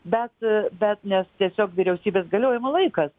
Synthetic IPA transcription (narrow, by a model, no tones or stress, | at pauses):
bʲɛt̪bʲɛt̪nʲɛst̪ʲiɛsʲoːkʋʲiːɾʲɛʊsʲiːbʲeːsɡɐlʲoːjɛmɐlˠɐɪkɐs